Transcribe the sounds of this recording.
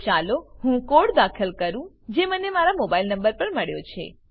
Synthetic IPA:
t͡ʃaloɦũkoɽd̪akʰəlkəɾũ | d͡ʒemənemaɾamobailnəmbəɾpəɳməɽjot͡ʃʰḛ

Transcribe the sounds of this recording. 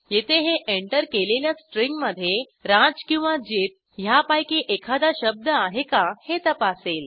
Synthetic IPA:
jet̪ʰeɦeʔeɳʈəɾkeleljasʈɾiŋɡməd̪ʱːje | ɾad͡zkĩw̃ʋad͡ʑet̪̚ | ɦjapajkiʔekʰad̪aɕəb̚d̪əaɦekahet̪əpasel

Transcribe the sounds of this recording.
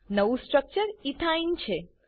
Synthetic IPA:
nəʋũsʈɾək̚t͡ʃəɾit̪ʰaint͡ʃʰe

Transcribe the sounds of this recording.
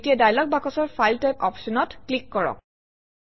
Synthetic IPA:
tijadajlɔk̚bakɔsɔɹfajltajpɔpsɔnɔtklikːɔɹɔ̰k̚

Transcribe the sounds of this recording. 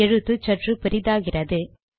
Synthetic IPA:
ɛɻɯt̪ːɯt͡ʃɐʈrɯpɪɾɪðaːɣɪrɐðɯ

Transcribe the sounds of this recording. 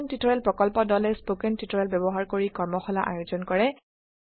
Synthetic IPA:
ntitɔɹɛlpɹɔkɔlpɔdɔlɛspokɛntitɔɹɛlbɛbɔɦaɹkoɹikɔɹmɔxɔlaʔa̰juzɔnkɔɹɛ

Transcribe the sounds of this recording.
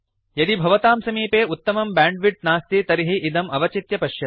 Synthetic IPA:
jɐd̪ibʱɐʋɐt̪aːmsɐmiːpeːut̪ːɐmɐmbaːɳɖʋiʈ̚naːst̪it̪ɐɾiɦiʔːd̪ɐmɐʋɐt͡ʃit̪jɐpɐʃjɐt̪̚

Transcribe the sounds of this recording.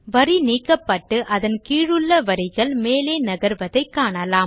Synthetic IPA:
ʋɐɾiniːkːɐpːɐʈːɯʔɐðɐnkiːɻɯɭːɐʋɐɾɪɣɐɭmeːleːnɐɣɐɾʋɐðɐɪkːaːɳɐlaːm

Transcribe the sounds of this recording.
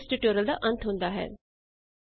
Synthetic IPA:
sʈiʈoːɾəld̪aʔɐ̃nt̪ʰɦũːnd̪aɦɛ̰ː

